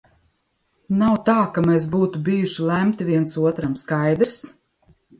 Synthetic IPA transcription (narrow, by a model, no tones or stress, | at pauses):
nawt̪aːkames̬buːt̪ubijuʃilˠæmt̪vʲiɛnsuɔt̪ɾamskajd̪ɾs